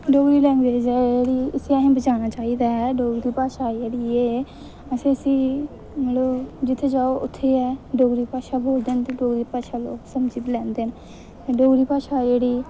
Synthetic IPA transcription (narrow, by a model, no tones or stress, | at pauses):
ɖoːɡɾiːlɛ̃ːnd̪eːd͡ʒeːeɽiːəsĩːaɦẽːbəd͡ʒaːnaːt͡ʃaːiːd̪aːɦɛːɖoːɡɾɾiːpaːʃaːd͡ʒeːɽieː | əsĩːəsĩː | mɛləbd͡ʒɪt̪ʰːeːd͡ʒaːoʔʊt̪ʰːeːɛːɖoːɡɾiːpaːʃaːboːld̪eːnt̪eɖoːɡɾiːpaːʃaːloːksəmd͡ʒiːblɛ̃ːnd̪eːn | t̪eɖoːɡɾiːpaːʃaːd͡ʒeːɽiː